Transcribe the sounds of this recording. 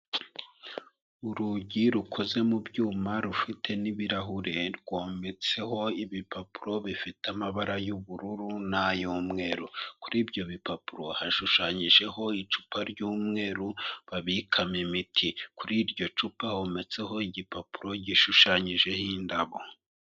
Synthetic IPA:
uɾuɟiɾukʰo̞ze̞mubɟuːmaɾufitʰe̞niβiɾaɦuɾeɾɡwome̞t͡se̞ho̞iβipapuɾo̞βifitamaβaɾajuβuɾuɾunajoːmŋe̞ːɾuku̥ɾiːbɟo̞βipapuɾo̞haʃuʃaɲiʒe̞ho̞it͡ʃu̥pʰaɾɟuːmŋe̞ːɾuβaβikʰamemitʰikuɾiːɾɟo̞t͡ʃupaho̞me̞t͡se̞ɦo̞iɟipapuɾo̞ɟiʃuʃaɲiʒe̞hindaβo̞

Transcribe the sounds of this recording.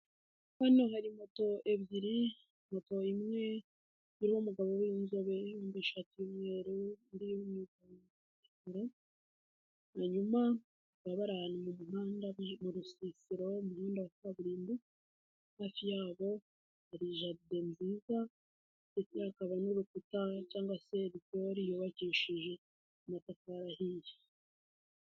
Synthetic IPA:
hano̞ɦaɾimo̞to̞ʔe̞βjiɾi | mo̞to̞imŋe̞ | βiɾiho̞muɡaβo̞wjinzoβe̞juːmbeʃatiumŋe̞ːɾundijumŋitan | akaɾa | haɲuma | βaβaɾaanumumuɦaːndamuɾusisiɾomuhiːnduataβuɾiːnbi | haːfijaːβo̞ | aɾiʒade̞nziːza | tetakaβanuːβekutacaːŋɡwase̞βitoɾijuβaciːʃiʒe̞ | umatakaɾahiːji̥

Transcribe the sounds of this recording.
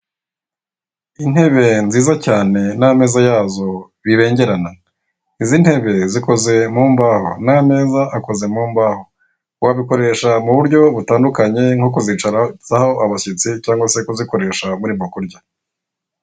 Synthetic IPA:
in̥he̞βe̞nziːzacaːne̞name̞ːzajaːzo̞ | βiβe̞ːɲɟe̞ɾana | izin̥he̞βe̞ziko̞ze̞muːmbaːho̞̰name̞ːzaʔako̞ze̞muːmbaːho̞ | waβiko̞ɾe̞ʃamuβuɾɟo̞βutaːndukaɲe̞ŋokozit͡ʃaɾaz̥aho̞ʔaβaset͡sicaːŋɡwase̞koziko̞ɾe̞ːʃamuɾiβɡokuɾɟa

